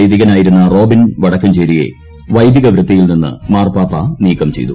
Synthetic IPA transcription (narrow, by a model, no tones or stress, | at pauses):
jd̪iɣɐnaːjiɾunːɐro̞ːbinʋɐɽɐkːɐmt͡ɕeɾije̞̰ | ʋɐjd̪iɣɐʋɾɐt̪ːijilninːɨ̰maːrpaːpːɐniːkːɐmt͡ɕe̞̰jt̪u